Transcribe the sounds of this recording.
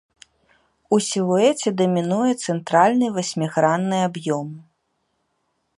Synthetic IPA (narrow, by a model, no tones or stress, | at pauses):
usʲilˠuɛt͡sʲɛd̪ɐmʲinujɛt̪sɛnt̪ɾalʲnɨvasʲmʲiɣɾanːɨabjɔm